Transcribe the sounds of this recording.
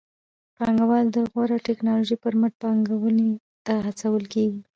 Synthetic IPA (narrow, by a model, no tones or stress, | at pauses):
pɑŋɡawɑld̪əɣwaɾaʈɛknɑloʒipəɾməʈ̚pɑŋɡawəne | t̪ahat͡sawəlkeɡi